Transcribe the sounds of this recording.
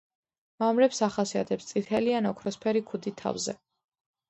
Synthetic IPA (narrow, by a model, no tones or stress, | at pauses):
mamɾɛpsaχasia̰t̪ʰɛpst̪sʼit̪ʰɛlianɔkʰɾɔspʰɛɾikʰud̪it̪ʰa̰vzɛ̰